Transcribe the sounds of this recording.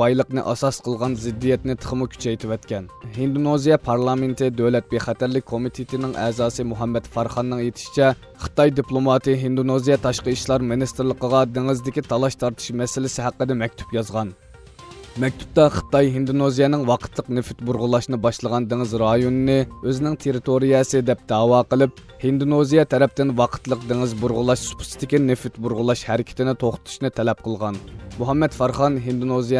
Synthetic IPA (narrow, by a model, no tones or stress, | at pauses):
ɑjlˠəqnɨ̰ʔɑsɑsqʰəlˠʁɑnzɪd̪ːijɛt̪nɪt̪ʰə̥χəmukʲʰy̥t͡ʃʰɛjt̪ʰɪwɛt̪kʲɛnhind̪unozijɛpʰɑɾlˠɑment̪ʰɪd̪øwlɛt̪̚beχɛt̪æɾlɪk̚ʲkʰːomit̪ʰet̪ʰɪnɪŋʔɛːzɑːsɨmuɦɛmːɛt̪fɑɾχɑnːɨŋjet̪ʰɪ̥ʃi̥t͡ʃʰɛ | χə̥t̪ɑjd̪iplˠomɑt̪ʰɨɦind̪unozijɛt̪ʰɑʃqəʃlˠɑɾmɨnist̪ɨɾlˠəqəʁɑd̪eŋɪzd̪ɪkʲit̪ʰɑlˠɑʃt̪ʰɑɾt̪ʰɨ̥ʃmɛsɪlɪsɪɦæqːəd̪ɛmɛk̚ʲt̪ʰy̥pjɑzʁɑn | mɛk̚ʲt̪ʰy̥p̚t̪ɑχə̥t̪ɑjɦind̪unozijɛnɪŋwɑqʰə̥t̪lˠəqnefyt̪̚buɾʁʊlˠɑʃnɨbɑʃlˠəʁɑnd̪eŋɪzɾɑjonɨnɨøzɪnɪŋt̪ʰeɾɪt̪ʰoɾijɛsɨd̪ɛp̚d̪ɑːwɑːqəlˠɨp̚ | hind̪unozijɛt̪ʰɛɾɛp̚t̪ɪnwɑqʰə̥t̪lˠəq̚d̪eŋɪzbuɾʁʊlˠɑʃsu̥pʰʊ̥sɪ̥t̪ɪkʲinefyt̪buɾʁʊlˠɑʃhɛɾɪkʲʰɪ̥t̪ɪnɪt̪ʰoχt̪ʊ̥t̪ʰu̥ʃnɨt̪ʰɛlɛp̚qʰəlˠʁɑnmuɦɑmːɛt̪fɑɾχɑnɦind̪unozij